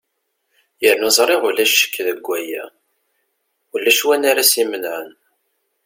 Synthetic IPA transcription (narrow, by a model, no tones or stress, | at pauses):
jəɾnuzˤɾˤɪʁulæʃːə̥kːðəɡʷːæjæ̰ | wəlːæʃwænaɾæsimənʕən